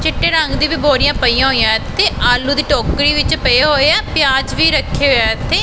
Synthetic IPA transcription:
t͡ʃɪʈːeːɾə̃ŋɡd̪iːbɪboːɾijãːpəijãɦoːijãːt̪ːeːaːluːd̪iːʈoːkɾiːʋɪt͡ʃpəeɦoːeɛːpjaːd͡ʒʋiːɾəkʰːeːɦoaːt̪ːeː

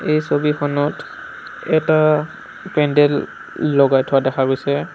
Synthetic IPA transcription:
ejsobixɔnɔt | ɛta | pɛndɛlː | ɔɡajtʰɔadɛxaɡojsɛ

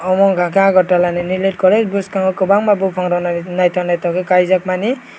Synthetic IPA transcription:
ɔmɔŋɡʱãkãɡʱɔʈːalaninileʈ̚kɔlezbuskaŋɔkobaŋmabupʰɔŋɾɔnnajt̪anajt̪ɔkekajzakmani

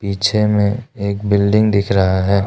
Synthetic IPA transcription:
piːt͡ʃʰemẽeːkbɪlɖɪ̃ŋɡd̪ɪkʰɾɐɦaɦɛː

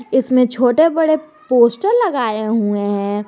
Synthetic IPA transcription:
ɪsmẽt͡ʃʰoːʈebɐɽe | poːsʈəɾlɐɡaːeɦueɦɛ̃ː

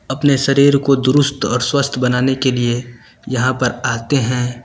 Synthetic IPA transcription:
ɐpneʃɐɾiːɾkod̪ʊɾʊst̪ɔ̰ːɾswəst̪ʰbɐnaːnekelie | jɐɦãpɐɾaːt̪eɦɛ̃ː

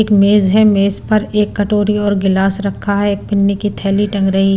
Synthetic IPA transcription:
kmeːzɦɛmeːzpɐɾeːkːɐʈoːɾiɔːɾɡɪlaːsɾɐkʰːaɦɛeːk̚pɪnːikit̪ʰɛːliʈɐ̃ŋɡɾɐɦi

